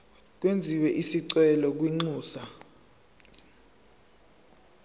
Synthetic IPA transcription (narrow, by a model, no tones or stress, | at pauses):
k̬wend͡zʱiwɛʔisiǀwɛlɔk̬wiŋ͡ǀuːsa